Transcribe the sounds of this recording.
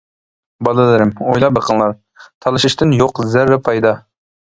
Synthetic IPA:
bɑlˠɨlˠɨɾɪmojlˠɑbɨɾqʰənlˠɑɾ | t̪ʰɑlˠɨʃɪʃt̪ɪnjoqzæɾːɛpʰɑjd̪ɑ

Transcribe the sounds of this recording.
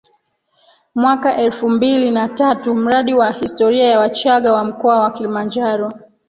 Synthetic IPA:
mwakaʔɛlfumbilinatatum̩ɾaɗiwahistɔɾiajawat͡ʃaɠawam̩kɔawakilimand͡ʒaɾɔ

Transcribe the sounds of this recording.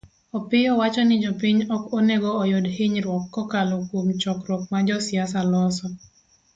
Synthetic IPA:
ɔpɪjɔwat͡ʃɔnɪd͡ʒɔpɪɲɔkonɛɡɔːjodhɪɲɾwɔkːɔkalokwomt͡ʃɔkɾwɔk̚mad͡ʒɔsjasalɔsɔ

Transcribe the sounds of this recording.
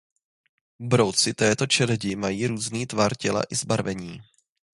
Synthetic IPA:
bɾo̞wt͡sɪt̪ɛːt̪o̞t͡ʃɛlɛɟɪmajiːɾuːzniːt̪vaɾcɛla̰ʔɪzbaɾvɛɲiː

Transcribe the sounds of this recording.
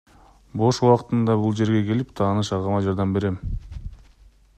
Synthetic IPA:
bo̞ʃuwɑqɯt̪ɯnd̪ɑbulˠd͡ʒe̞ɾɡe̞ke̞lip̚t̪ʰɑːnɯʃɑʁɑmɑd͡ʒɑɾd̪ɑmbe̞ɾe̞m

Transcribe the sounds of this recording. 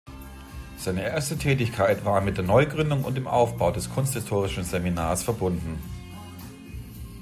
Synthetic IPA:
z̥aɪnəʔeːɐstətʰɛːtɪçkʰaɪtv̥aːɐmɪt̚d̥eːɐnɔʏɡʁʏndʊŋʊ̰ntd̥eːmʔaʊfb̥aʊdɛskʰʊnsthɪstʰoːʁɪʃn̩zeminaːɐsfɛɐbʊndn̩

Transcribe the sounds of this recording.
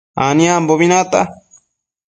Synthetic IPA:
anĩamboβinãt̪a

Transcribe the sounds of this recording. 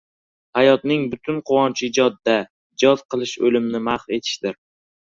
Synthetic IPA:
hajɒt̪̚nɪŋbʊt̪ʰʊnqʰʊwɒnt͡ʃʰɪɪd͡ʒɒd̪ːa | d͡ʒɒzqɨlˠɪʃolɪmnɪmaχfe̞t̪ʰɪ̥ʃd̪ɪɾ

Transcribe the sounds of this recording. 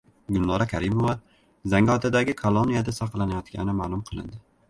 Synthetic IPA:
ɡʊlˠnɒɾakʲʰaɾɪmova | zaŋɡɒt̪ʰad̪aɡʲɪkʰolˠonijad̪asɑqlˠanajɒt̪ɡʲʰa̰nɪmaːlˠʊmqʰɨlˠɪ̰nd̪ɪ

